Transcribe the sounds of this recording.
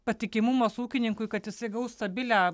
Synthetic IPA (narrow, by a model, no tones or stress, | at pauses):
pɐt̪ʲɪkʲɪmʊmɐsuːkʲɪnʲɪŋkʊɪkɐt̪jɪsɐɪɡɐʊst̪ɐbʲɪlʲæ